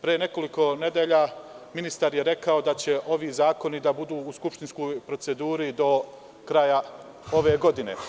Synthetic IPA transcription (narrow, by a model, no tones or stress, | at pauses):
pɾijene̞ko̞liko̞ne̞d̪eʎaːminist̪aɾjeɾe̞kao̞d̪at͡ɕe̞ʔo̞ʋiːzaːko̞nid̪abud̪uːuskupʃt̪insko̞jpɾo̞t̪se̞d̪uːɾid̪o̞ | kɾaja | o̞ʋeːɡo̞d̪inḛ